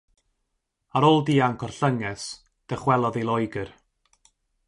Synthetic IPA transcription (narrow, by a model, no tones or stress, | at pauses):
aɾoːlˠdiːaŋkʰɔrɬəŋɛs | d̥əχwɛlˠɔðilˠɔjɡər